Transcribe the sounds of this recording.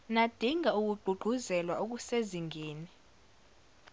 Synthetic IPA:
nad̥ʱiŋʱauk̬ʼuɡ͡ǃʱuɡ͡ǃʱuzɛlwauk̬useziŋʱeːni

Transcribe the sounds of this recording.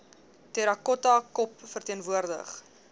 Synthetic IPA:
tɛɾɐkɔtɐkɔpfərtiənvuərdə̰χ

